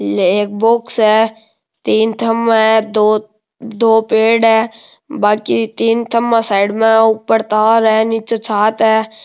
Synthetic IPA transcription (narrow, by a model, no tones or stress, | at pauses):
eːk̚boksɦɛ | t̪iːnt̪ʰəmɦɛd̪o | d̪oːpeːɖɦɛː | baːkit̪iːnt̪ʰəmːãsaːɪɖmẽʊpːəɾt̪aːɾɛːnit͡ʃet͡ʃʰaːt̪ɦɛː